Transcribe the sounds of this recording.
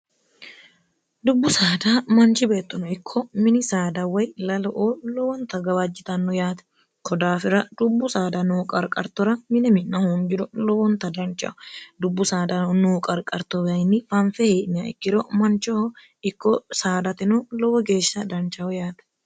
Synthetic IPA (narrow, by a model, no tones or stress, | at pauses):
d̪ʊbːʊsaːd̪aːmɐnt͡ʃɪbeːt̪ːɐnɔɪkʰːɔmɪnɪsaːd̪ɐwɐjlɐlɔʔoːlɔwɔnt̪ɐɡɐwɐd͡ʒːɪt̪ɐnːɔjaːt̪ɐ̥ | kʰɔd̪aːfɪɾɐd̪ʊbːʊsaːd̪ɐnukʼɐɾkʼɐɾt̪ɔɾɐmɪnɛmɪnnɐhund͡ʒɪɾʊlɔwɔnt̪ɐd̪ɐnt͡ʃʼɐ̰ʔɔd̪ʊbːʊsaːd̪ɐnuːkʼɐɾkʼɐɾt̪ɔbɐnːɪfɐnfɛheːʔnɪɐɪ̰kːɪɾomɐnt͡ʃɐhɔ | ɪkːɔsaːd̪ɐt̪ɪnʊlɔwɔɡe̞ːʃːɐd̪ɐnt͡ʃːɐhɔjaːt̪ɐ̥